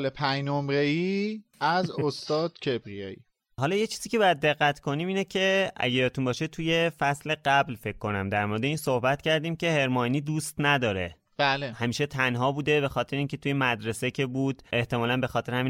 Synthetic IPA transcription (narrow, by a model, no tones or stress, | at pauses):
lepʰæjnomɾeiːæzost̪ɒːd̪̥cʰebɾijɒːḭ | ɦɒːlɒːje̞t͡ʃʰiːziːcʰe̞bɒːjæd̪̚ːe̞ɣːæt̪kʰo̞niːmiːnecʰe̞æ̰ɟejɒt̪ʰunbɒːʃet̪ʰuje̞fæsle̞ɢæblfe̞cʰkːo̞næmd̪æɾmoɾed̪e̞iːnso̞hbæt̪cʰæɾd̪iːmce̞he̞ɾmɒniːd̪uːst̪næd̪ɒːɾe̞ | b̥ælehæmiːʃe̞t̪ʰænɦɒːbuːd̪e̞be̞xɒːt̪ʰeɾeiːncʰe̞t̪ʰujemæd̪ɾesecʰe̞buːd̪̥e̞ht̪e̞mɒːlænbe̞xɒːt̪ʰeɾehæmi